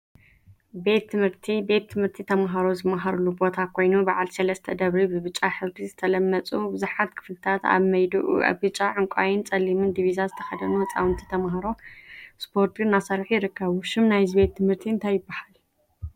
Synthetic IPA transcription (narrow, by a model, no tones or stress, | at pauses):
be̞t̪ʰːɨmhɨɾt̪ʰibe̞t̪ʰːɨmhɨɾt̪ʰit̪ʰɐmaɦaɾo̞zɨmaɦaɾulːubo̞t̪ʰakʰo̞jnubaʕalsɐlɐst̪ʰɐd̪ɐβɾibɨβɨt͡ʃʼaħɨzbizɨt̪ʰɐlɐmːɐt͡sʼubɨzuħat̪kʰɨ̥flɨt̪ʰat̪a̰βmɐjd̪ɨʔṵʔa̰βbɨt͡ʃʼːaʕɨŋkʷʼa̰jɪnt͡sʼɐlːimɨnd̪ivizazɨt̪ʰɐ̥xɐd̪ɐnuɐt͡sʼa̰wɨnt̪ʰi̥t̪ʰɐmaɦaɾo̞spʰo̞ɾt̪ʰɡɨnːasɐɾħjɪɾɨkːɐβuʃɪmnajzibe̞t̪ʰːɨmhɨɾt̪ʰiɨnt̪ʰajːɪbːahal